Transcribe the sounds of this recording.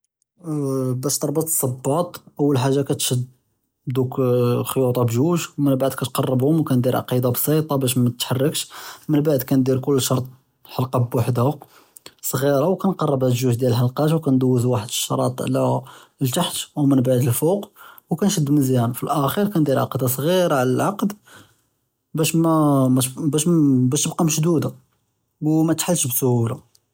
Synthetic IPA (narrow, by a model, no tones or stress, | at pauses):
bæʃt̪ɑɾˤbət̪sˤɑbːɑt̪ˤʔəwːəlħaʒːakæt̪ʃəd̪ | bd̪ukxojut̪ˤɑbʒuʒwmənbaʕd̪̚kæt̪̚qɑrˤːəbhʊmwkænd̪iɾʕ̰qid̪ɑbsˤɑt̪ˤɑbæʃ̬mæt̪ħarːəkʃmənbaʕd̪kænd̪iɾkʊlːʃɑɾˤt̪̚ˤ | ħɑlqɑbwaħd̪hæ | sˤɣiɾɑwkænqɑrˤːɑbæʒuʒd̪jæləlħɑlqɑt̪wkænd̪uwːəzwaħəd̪əʃːɑɾˤɑt̪ˤʕlælt̪aħt̪wmənbaʕd̪əlfuqwkænʃəd̪ːməzjænfilʔæxiɾkænd̪iɾʕɑ̰qd̪ɑsˤɣiɾʕləlʕɑqd̪ | bæʃmæ | bæʃbæʃt̪əbqɑmʃd̪ud̪a | wmæt̪ħalːʃbsʊhula